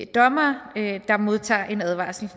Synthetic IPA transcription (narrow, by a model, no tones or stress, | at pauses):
d̥ɒ̽mɐød̥ɑ̈mo̝ðˠt͡sʰɑ̰̈ːʔe̝næð̞ˠʋɑ̰̈ːsl̩